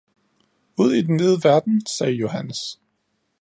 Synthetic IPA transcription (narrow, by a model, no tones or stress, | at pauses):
uð̞̰ˠid̥enːeð̞ˠəʋæɐd̥n̩sɛːjo̝hænəs